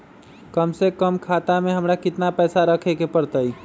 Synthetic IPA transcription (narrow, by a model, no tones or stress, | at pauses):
kəmsekəmkʰaːt̪amẽɦəmɾakɪt̪napɛːsaɾəkʰekepəɾt̪ai